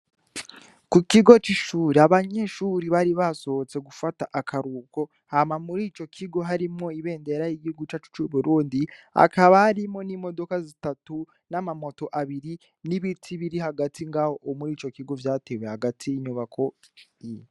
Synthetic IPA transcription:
kukiɡo̞t͡ʃiʃuːɾiaβaɲe̞ʃuɾiβaɾiβaso̞ot͡se̞ɡufataʔakʰaɾuːko̞ | hamamuɾiːt͡ʃo̞kʰiɡo̞ɦaɾimŋo̞iβe̞ːnde̞ɾajiɡihuɡut͡ʃat͡ʃu̥t͡ʃuβuɾuːndia̰kaβahaɾimo̞nimo̞do̞kazitatu | namamo̞to̞ʔaβiɾi | niβitʰiβiɾiɦaɡatʰiŋɡaho̞ʔːmuɾiːt͡ʃo̞kiɡo̞vjaːte̞wehaɡatʰiːɲuβakʰo̞ | ijo

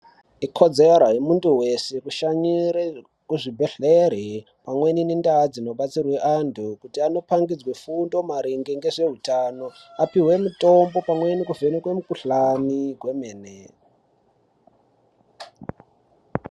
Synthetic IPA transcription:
ikʰo̞d͡zeaɾaɦemuntuwe̞se̞kuʃaɲiɾe | kuʐibʱeɬeɾe | pamwe̞ninindad͡zino̞ɓat͡sirweʔandʰukutiano̞paŋɡid͡zwefundo̞maɾiŋɡeŋɡe̞ʐe̞ɦutaːno̞apiwe̞muto̞mbo̞pamwe̞nikuve̞nekwemukuɬaniɡwe̞meːne

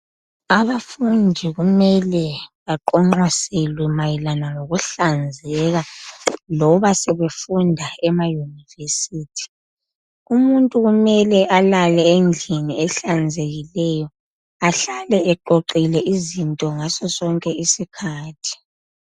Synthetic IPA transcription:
aβafundʱiɣumɛlɛβaǃɔŋ͡ǃaselwɛmajilanaŋoɣuɬand͡zʱɛɣalɔβasɛβefundʱaɛmajunivesitʰi̥ | umuntʼuɣumɛlɛʔalalɛend͡ɮʱiniɛɬand͡zʱeɣilɛjɔ | aɬalɛɛǃoǃilɛʔizintʼɔŋasɔsɔŋkʼɛisikʰaːtʰi̥

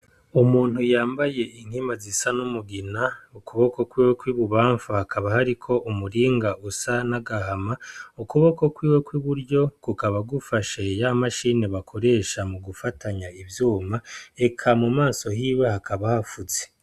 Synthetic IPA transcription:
umuːn̥hujaːmbaje̞ʔin̥himazisanumuɡinaukuβo̞kokwiːwe̞kwiβuβaːɱfahakʰaβahaɾikʰo̞ʔumuɾiːŋɡausanaɡahamaukuβo̞ko̞kwiːwe̞kwiβuɾɟo̞kukaβaɡufaʃe̞jamaʃiːne̞βakʰo̞ɾe̞ʃamuɡufataɲaivjuːmae̞kʰamumaːso̞hiːwehakʰaβahafuze

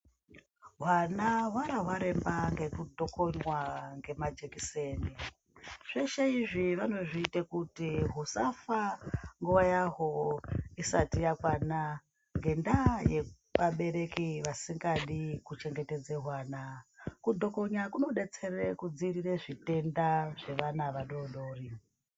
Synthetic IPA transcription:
ɦwanaɦwaɾaɦwaɾe̞mbaŋɡe̞kudʱo̞ko̞ɲwaŋɡe̞mad͡ʒe̞kise̞ːni | ʐ̥eʃeiʐiʋano̞ʐiːtekutiɦusafaŋɡuʋajaɦo̞isatijakwana | ŋɡe̞ndaje | paɓe̞ɾe̞kiʋasiŋɡaɗikut͡ʃe̞ŋɡete̞d͡ze̞ɦwaːnakudʱo̞ko̞ɲwakuno̞ɗe̞t͡se̞rekud͡zirireʐite̞ndaʐ̥e̞ʋanaʋaɗo̞ɗo̞ri

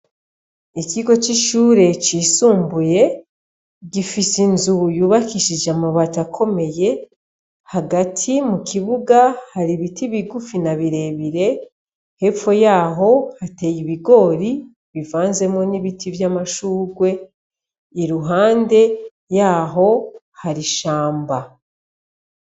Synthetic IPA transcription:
ikiɡo̞t͡ʃiʃuːɾe̞t͡ʃiːsuːmbuje̞ | ɟifisinzujuːβakiʃid͡ʒamaβatakʰo̞me̞je̞ | haɡatʰimukiβuɡahaɾiβitʰiβiɡufinaβiɾe̞βiɾe̞ | he̞p͡fo̞jaːɦo̞hate̞jiβiɡo̞ːɾi | βivaːnze̞mo̞niβitivjamaʃuːɡwe̞ | iɾuɦaːnde̞ | jaːɦo̞ | haɾiʃaːmba

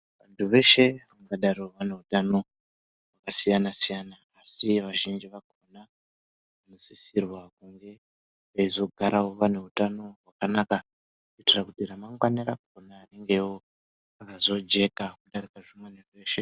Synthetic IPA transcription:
ʋantʰuʋe̞ʃe̞ʋaŋɡaɗarioʋane̞utano̞ | wakasijanasijanaːsiʋaʒind͡ʒiʋako̞na | ʋano̞sisirwakuŋɡe̞ | ʋaizo̞ɡʱaɾawo̞ʋane̞utano̞ɦwakanaka | kuitirakutiramaŋɡwaniɾakuonaːneŋɡe̞wo | akazo̞d͡ʒe̞kakuɗaɾikaʐimwenerʋeːʃe

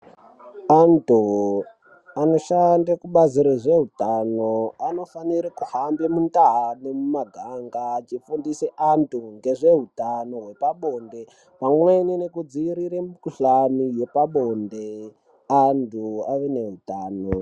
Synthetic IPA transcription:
antu | ano̞ʃandakuɓaziɾiʐe̞ɦutanoano̞faniɾikuhambemuntaɦane̞mumaɡʱaŋɡat͡ʃifundiseʔantʰuŋɡe̞ʐe̞ɦutano̞ɦwe̞paɓo̞nde̞ | paŋwuʋainenekud͡ziːɾiɾemikuɬanije̞paɓonde | antʰuaʋene̞ɦutaːno

